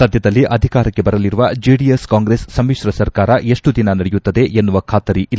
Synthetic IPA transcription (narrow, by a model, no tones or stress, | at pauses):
sɐd̪ʱjɐd̪ɐlːiʔɐd̪ʱikaːɾɐkːe̞bɐɾɐliɾuʋɐd͡ʒiːɖijeskaːŋɡɾeːsːɐmːiʃɾɐsɐɾkaːɾɐʔe̞ʂʈud̪inɐnɐɽejut̪ːɐd̪e̞ʔenːuʋɐkʰaːt̪ɐɾiʔil